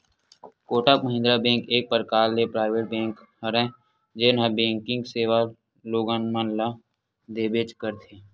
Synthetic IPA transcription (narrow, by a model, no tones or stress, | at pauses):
koːʈakməɦɪ̃nd̪ɾabẽːŋkeːk̚pəɾkaːlːepɾaːɪʋeʈ̚bẽːŋk | həɾɛ̃ | d͡ʒeːnɦə̃bẽːŋkɪ̃ŋɡseːʋa | loːɡənmənla | d̪eːbet͡ʃkəɾt̪ʰeː